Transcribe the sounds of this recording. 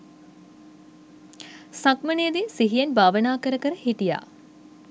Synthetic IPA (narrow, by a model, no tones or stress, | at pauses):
sakmənejːd̪esiɦijenbʱaːʋənaːkəɾəkəɾəhiʈija̰ː